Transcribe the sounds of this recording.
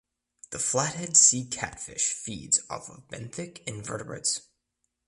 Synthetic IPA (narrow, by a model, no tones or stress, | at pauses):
ðəflæt̚hɛdsikʰæ̰tfɪ̰ʃfḭdz̥ʌ̰vbɛ̰̃nθɪkɨ̃nvɜ̰˞ɾəbɹɨ̰ts